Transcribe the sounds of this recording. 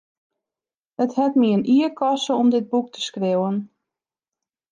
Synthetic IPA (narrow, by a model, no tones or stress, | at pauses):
əthɛtmiənʔiərkʰɔsəɔmdɪd̚buk̚tʰə̥skrewən